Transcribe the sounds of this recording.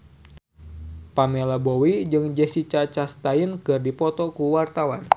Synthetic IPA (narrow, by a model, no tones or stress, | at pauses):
pamelabowid͡ʒɨŋd͡ʒɛsit͡ʃat͡ʃast̪ainkɨrdipɔt̪ɔkuwart̪awan